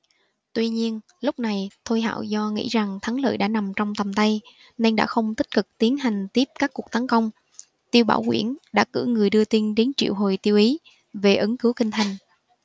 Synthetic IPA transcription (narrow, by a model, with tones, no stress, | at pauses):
t̪wi˧ɲi˧ən | lʊ˦˥k͡p̚na˨˩jt̪ʰo˧jɦa̰ː˧˨wzɔ˧ŋḭ˧˥za˨˩ŋt̪ʰa˨˦ŋlə̰ː˧˨jɗa̰ː˧˥na˨˩mt͡ɕɔ˧wŋ͡mt̪ə˨˩mt̪a˧j | na˧jŋɗa̰ː˧˥xə˧wŋ͡mt̪i˦˥k̟̚kɨ˨˩k̚t̪i˨˦ənɦa˨˩jŋ̟t̪i˦˥əp̚kaː˦˥kːu˨˩ək̪̚a˨˦ŋkə˧wŋ͡m | t̪i˧əwɓa̰ː˧˩wkwḭ˧˩ənɗa̰ː˧˥kɨ̰˧˥ŋɨ˨˩əjɗɨ˧ət̪i˧nɗe˨˦nt͡ɕḭ˧˨əwɦo˨˩jt̪i˧əwʔi˨˦ | ve˨˩ʔɨ˨˦ŋkɨ˨˦wkï˧ŋ̟t̪ʰa˨˩jŋ̟